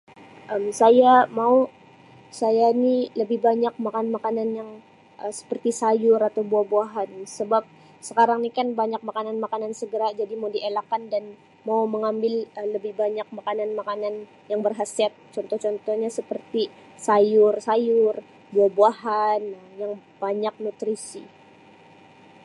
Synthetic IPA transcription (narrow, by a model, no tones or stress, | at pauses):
ʔəmsajamau | sajaniləbɪhbaɲak̚makanmakananjaŋ | ʔəsə̥pərt̪isajʊɾat̪awbuahbuaɦansəbap̚ | səkaɾaŋnikanbaɲak̚makananmakanansəɡəɾad͡ʒadimaudiʔelakandan | mawməŋambɪlələbɪhbaɲak̚makananmakanan | jaŋbərɦasat̪̚t͡ʃɔnt̪ɔht͡ʃɔnt̪ɔhɲasəpərt̪i | sajʊrsajʊr | buahbuaɦanjaŋ | b̥aɲak̚nut̪ɾisḭ